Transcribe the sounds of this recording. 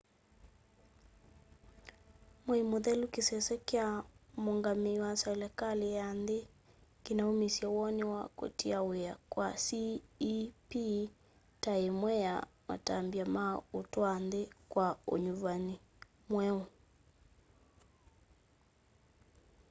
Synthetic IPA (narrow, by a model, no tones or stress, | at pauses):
mwɛimoðɛlukisɛsɛkɛamoŋɡamiwasɛlɛkalijande | kinaumisiawɔniwa̰ko̰tiaweakwasiː | pi | taemwɛja̰wa̰tambiamaotwandekwao̰ɲuvani | mwɛu